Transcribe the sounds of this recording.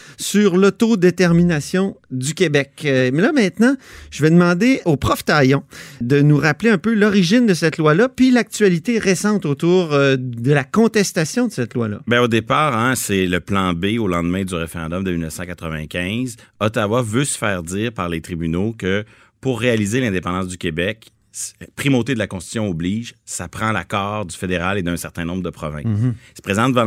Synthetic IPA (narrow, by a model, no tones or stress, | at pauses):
syʁlɔt̪od̪et̪ɛʁminasjɔ̃d̪ykʲebɛkmɛlʌmɛ̃t̪nɑ̃ʒ̥əvɛd̪əmɑ̃d̪eopʁɔft̪ajɔ̃d̪ənuʁapleœ̃pølɔʁiʒɪnd̪əsɛt̪lwalʌpɥilak̚t̪yɥalit̪eʁesɑ̃t̪ot̪uːʁd̪əlakɔ̃t̪ɛst̪asjɔ̃d̪əsɛt̪lwalʌ̰bɛ̃od̪epaːʁɛ̃sɛləplɑ̃beolɑ̃d̪mɛ̃d̪yʁefeʁɑ̃d̪ɔmd̪əmilnəfsɑ̃kat̪χəvɛ̃kʲɛ̃zɔt̪awavøsə̥fɛːʁd̪iːʁpaʁlet̪χibynokə | puʁːealizelɛ̃d̪epɑ̃d̪ɑ̃s̬d̪ykʲebɛk | pχimot̪ed̪əlakɔ̃st̪t̪ːsjɔ̃ubliːʒsapχɑ̃la̰kɑːʁd̪y̥fed̪eʁaled̪ɛ̃sɛʁt̪ɛ̃nɔ̃bʁd̪əpχɔvɛ̰̃ssə̥pʁezɑ̃t̪əvɑ̃